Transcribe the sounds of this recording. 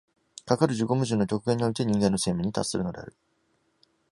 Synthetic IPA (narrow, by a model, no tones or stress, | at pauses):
kakaɾɯ̟ʑɨɡo̞mɯ̟ʑɨːnːo̞kʲo̞kɯ̟ɡeɲ̟ːio̞it̪e̞ɲ̟ĩŋɡe̞nːo̞se̞ːmɯ̟ɲ̟ːit̪a̰ssːɨ̰ɾɯ̟no̞d̪e̞̰a̰ɾɯ̟